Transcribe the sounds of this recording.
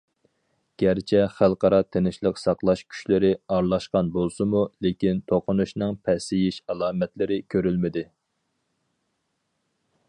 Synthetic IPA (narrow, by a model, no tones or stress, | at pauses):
ɡ̥ʲæɾt͡ʃʰɛχælˠqɑɾɑt̪ʰenɪʃlˠəqsɑqlˠɑʃkʲʰy̥ʃlɪɾɪɑɾlˠɑʃqɑnbolˠsɨmulekʲint̪ʰoqʰʊnuʃnɨŋpʰɛsɪjiʃɑlˠɑːmɛt̪lɪɾɪkʲʰøɾylmɪd̪ɪ